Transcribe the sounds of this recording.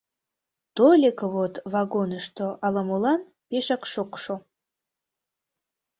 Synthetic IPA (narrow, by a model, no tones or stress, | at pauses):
t̪olʲekəβot̪vɑɡonəʃt̪oʔɑlɑmulɑn | peʃɑkʃokʃo